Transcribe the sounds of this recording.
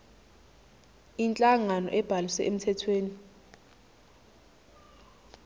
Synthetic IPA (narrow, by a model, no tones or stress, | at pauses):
int͡ɬʼaŋanɔ̰ʔɛb̥ʱalisɛ̰ʔem̩tʰɛtʰweːni